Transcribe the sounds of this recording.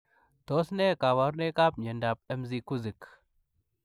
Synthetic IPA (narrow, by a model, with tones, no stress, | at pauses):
t̪o˦sne˦ka˨wa˦ɾne˦ka˦p̚ɲe˨nda˨p̚e˦mzi˨ku˦zɨ˨k